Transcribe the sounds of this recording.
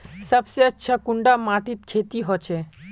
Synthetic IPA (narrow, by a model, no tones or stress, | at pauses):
səbseətːɕʰakuɳɖamaʈit̪kʰet̪iɦot͡ɕʰe